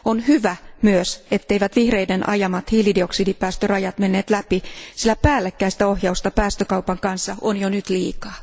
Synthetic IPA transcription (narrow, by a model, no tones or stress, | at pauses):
onhyʋæmyøset̪ːeiʋæt̪ʋihre̞jdenʔɑ̰jɑmɑt̪hiːlidioksiːdipæːst̪ørɑjɑt̪me̞nːeːt̪læpisilːæpæːlːekːæist̪æohjɑust̪ɑpæːst̪økɑupɑŋkɑnsːɑonjonyt̪liːkɑː